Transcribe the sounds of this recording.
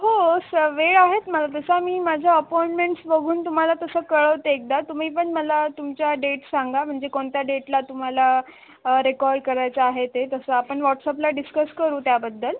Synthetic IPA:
ɦosəʋeɭaɦet̪məlat̪əsamiːmad͡ʑʱjaəpɔiɳʈmeɳʈsbəɡʱuːnt̪um̤alat̪əsəːkəɭəʋt̪eek̚d̪at̪um̤iːp̬əɳməlat̪umt͡ɕjaɖeʈsaŋɡam̤əɳd͡zekoɳt̪jaɖeʈlat̪um̤ala | ɾekɔɾɖkəɾajt͡saaɦet̪et̪əsəapəɳʋɔʈsaplaɖiskəskəɾuːt̪jabəd̪ːəl

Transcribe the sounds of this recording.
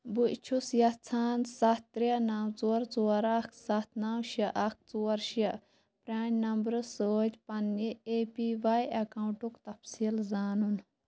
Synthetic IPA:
buit͡ʃʰusjɐt͡sʰaːnsɐt̪ːɾanaːwt͡suːɐɾt͡suːɐɾakʰsat̪ʰnaːwʃɐʔɐk̚ʰt͡suːɐɾʃɐ | pɾʲaːnʲnɐmbɾɨsoːd͡ʒʲpɐnieːpiʋajɐkaːuɳʈukt̪ɐfsiːlzaːnun

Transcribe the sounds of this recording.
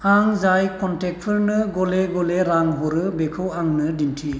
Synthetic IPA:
aŋzajkɔntɛk̚tʰɯɾnɯɡɔleɡɔleɾaŋɦɔɾɯbekʰɯwaŋnɯdintʰi

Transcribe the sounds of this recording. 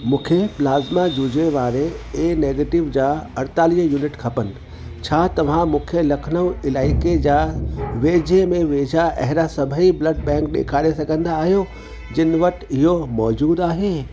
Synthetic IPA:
mũːkʰeplaːzmad͡ʑud͡ʑeʋaːɾeeːneːɡeːʈɪʋd͡ʑaːɐɾt̪aːliəjuːnɪʈkʰɐpənɪ̆ | t͡ɕʰaːt̪ɐʋ̤ãmũːkʰelɐkʰnəʋɪlaːɪked͡ʑaːʋeːd͡ʑemẽʋeːd͡ʑʱaʔɐ̰ɦɪɾasɐbʱəiblɐɖ̚bɛ̃ːŋk̚ɗḛːkʰaːɾesɐɡʱə̃nd̪aːɦijo | d͡ʑɪnɪʋɐʈ̆ɪɦomɔːd͡ʑuːd̪aːɦeː

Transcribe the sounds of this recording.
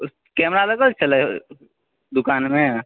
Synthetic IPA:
kɛmɾaləkəlt͡ʃʰələ | d̪ukanme

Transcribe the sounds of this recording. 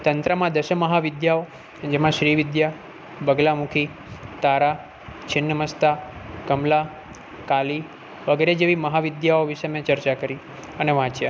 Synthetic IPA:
t̪ənt̪ɾəmãd̪əʃəməɦaʋɪd̪jao | d͡ʒemãʃɾiʋɪd̪ja | bəɡlamũkʰi | t̪aɾa | t͡ʃʰɪnːəməst̪akəmla | kali | ʋəɡeɾed͡ʒeʋiməɦaʋɪd̪jaoʋiʃemẽt͡ʃəɾt͡ʃakəɾi | əneʋãt͡ʃja

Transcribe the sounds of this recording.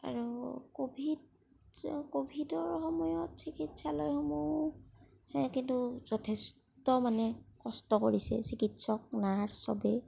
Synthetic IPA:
a̰ɹukobʱid | kobʱidɔɹxɔmɔjɔtsikitsalɔjxɔmu | hɛkintuz̥ɔtʰɛs | tɔmanɛkɔstɔkoɹisɛ̰sikitsɔk̚naɹsɔ̰bɛ

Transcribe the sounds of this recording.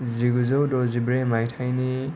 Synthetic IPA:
ziɡuzowdɔzibɾemajtʰajni

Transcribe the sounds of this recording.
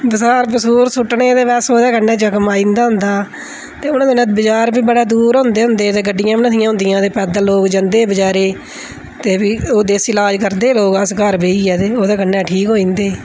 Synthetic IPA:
bəsaːɾpəsuːɾsʊʈːɳeːt̪eːʋɛːsoːd̪aːkənːɛːt͡ʃəkmaːĩːnd̪aːɦʊnd̪aː | t̪eːʊnãːd̪eːnət̪̚bɪd͡ʒaːɾbiːbəɽaːd̪uːɾɦʊ̃nd̪eːɦʊ̃nd̪eːt̪eːɡəɖːɪjãːbinət̪ɪjãːɦʊ̃nd̪ɪjãːt̪eːpɛːd̪aːloːkd͡ʒənd̪eːbəd͡ʒaːɾeː | t̪eːbiːoːd̪eːsɪlaːd͡ʒkəɾd̪eːloːkəskəɾbeiːɛːt̪eːoːd̪aːkənːɛːʈʰiːkɦoːĩːnd̪eː

